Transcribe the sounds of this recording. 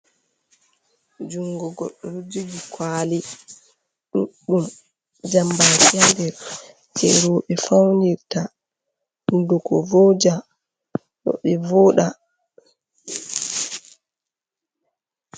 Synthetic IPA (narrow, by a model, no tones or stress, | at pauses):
d͡ʒuŋɡɔɡɔ̰ɗːɔɾud͡ʒid͡ʒikʰwaːli | ɗuɗːum | d͡ʒambatijandɛɾ | t͡ʃʰɛ̰ɾɔːɓɛfawndiɾta | undɔkɔ̰vɔd͡ʒa | ɗɔ̰ɓɛvɔːɗa